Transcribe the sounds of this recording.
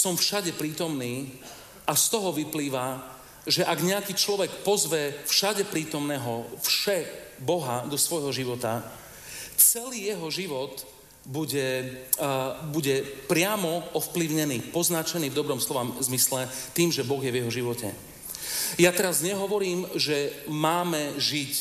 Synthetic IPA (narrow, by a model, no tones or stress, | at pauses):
sɔmfʃaɟɛpɾiːt̪ɔmniː | ast̪ɔɦɔʋipliːʋa | ʒɛʔaɡɲɛakiːt͡ʃlɔʋɛkpɔzʋɛfʃaɟɛpɾiːt̪ɔmnɛːɦɔfʃɛbɔɦad̪ɔsʋɔjɦɔʒiʋɔt̪a | t͡sɛliːjɛɦɔʒiʋɔt̪ | buɟɛ | buɟɛpɾɪamɔɔfpliʊɲɛniːpɔznat͡ʃɛniːvd̪ɔbɾɔmslɔʋamzmislɛt̪iːmʒɛbɔɣjɛvjɛɦɔʒiʋɔcɛ̰ | jat̪ɛɾazɲɛɦɔʋɔɾiːmʒɛmaːmɛʒic